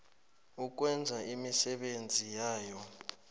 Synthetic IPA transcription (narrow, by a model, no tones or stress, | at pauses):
uk̬wɛnd͡zʱaʔimisɛɓend͡zʱijaːjɔ